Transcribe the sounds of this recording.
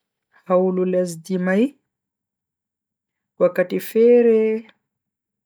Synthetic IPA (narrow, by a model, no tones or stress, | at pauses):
haululazid̪imaj | kuakaʈ͡ʂifeɾe